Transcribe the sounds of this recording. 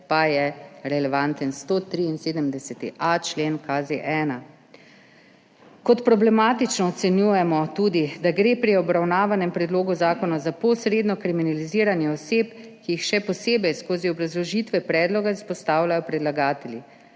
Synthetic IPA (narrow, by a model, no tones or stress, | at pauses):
pajɛɾɛlɛʋant̪ənst̪oːt̪ɾiinseːd̪əmd̪ɛsɛt̪ḭʔat͡ʃleːnkazeʔɛːna | kɔt̪pɾɔblɛmaːt̪it͡ʃnɔːt̪sɛnjuːjɛmɔt̪uːd̪id̪aɡɾeːpɾiɔbɾawnaːʋanɛmpɾɛd̪loːɡuzaːkɔnazapɔsɾeːd̪nɔkɾiminaliziːɾanjɛɔseːpkijixʃɛpɔseːbɛjskoːziɔbɾazlɔʒit̪ʋɛpɾɛːd̪lɔɡaispɔst̪aːwlʲajɔpɾɛd̪laɡaːt̪ɛli